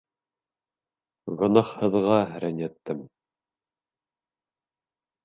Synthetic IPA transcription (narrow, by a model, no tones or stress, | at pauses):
ʁŏnɑχhɤ̆ðʁɑɾænʲæt̪ːɘm